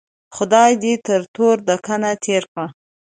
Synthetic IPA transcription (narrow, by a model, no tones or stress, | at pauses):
xʊd̪ɑjd̪it̪əɾt̪ʰoɾd̪əkanat̪ʰeɾka